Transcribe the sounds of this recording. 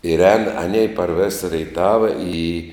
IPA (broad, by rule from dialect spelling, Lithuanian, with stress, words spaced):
ɪr ɛːn ɐˈnʲɛɪ pɐr ʋʲeːs rʲɛɪˈtɑːʋɐ iː